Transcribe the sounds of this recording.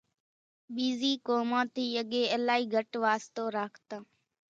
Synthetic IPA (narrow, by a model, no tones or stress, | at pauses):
ɓiːziːkoːmãːt̪iːəɠeːəlaːiːɡʱəʈʋaːst̪oːɾaːkʰt̪ãː